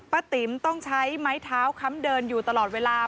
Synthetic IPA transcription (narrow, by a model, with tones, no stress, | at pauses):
pa˧t̪i˨˩˦mt̪ɔ˥˩ŋt͡ɕʰa˦˥jma˦˥jt̪ʰaː˦˥wkʰa˦˥mdɤː˧njuː˨˩t̪a˧lɔː˨˩t̪̚weː˧laː˧